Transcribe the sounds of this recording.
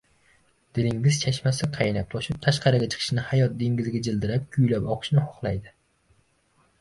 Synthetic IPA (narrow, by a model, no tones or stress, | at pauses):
d̪̥ɪlɪŋɡʲɪzt͡ʃʰaʃmasɪqʰɑjnap̚t̪ʰɒʃɪp̚t̪ʰaʃqʰɑɾɪɡʲat͡ʃʰɨ̥qʰɨ̥ʃnɪhajɒt̪̚d̪eŋɡʲɪzɪɡʲad͡ʒɪld̪ɪɾap̚kʲʰʊjlapɒqʰɨ̥ʃnɪhɒχlˠajd̪ɪ